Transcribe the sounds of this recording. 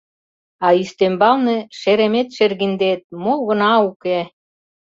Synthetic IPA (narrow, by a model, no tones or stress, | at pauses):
ɑyʃt̪embɑlnĕʃeɾemet̪ʃerɣind̪et̪̚moɣɤ̆nɑuke